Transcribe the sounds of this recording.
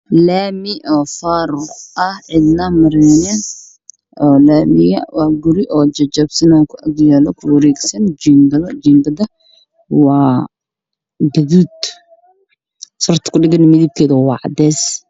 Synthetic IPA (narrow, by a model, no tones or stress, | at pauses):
laːmɪʔɔːfaːɾʊʔɐhʕɪd̪nɐmɐɾɛːnɛn | ʔɔːlaːmɪjɐ̰wɑːɡʊɾɪʔɔːd͡ʒɐd͡ʒɐbsɐnaːkʰʊʔɐɡjalɔkʰʊwɐɾɛːɡsɐnd͡ʒimbɐðɐd͡ʒiːmbɐðɐ | wɑː | ɡɐðuːd̪ | sɐrt̪ʰɐ̥kʰʊɖɪɡɐnɪmɪðib̚kʰɛːðɐwwɑːʕɑ̰d̪ɛːs